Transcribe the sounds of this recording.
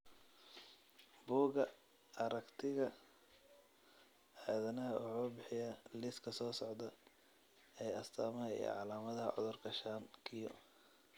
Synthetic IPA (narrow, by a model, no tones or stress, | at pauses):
buːɣɐ | ɐɾɐkt̪ʰɪɣɐ | ʕɛːðɐnɐɦɐʔʊħɔːbɪħɪjɐlɪskʰɐsɔːsɔʕd̪ɐ | ɛjɐst̪ʰaːmɐɦɐḭj̰ʕɑlaːmɐðɐɦɐ̰ʕɔ̰ðʊrkʰɐʃaːŋkʰɪjɔ̰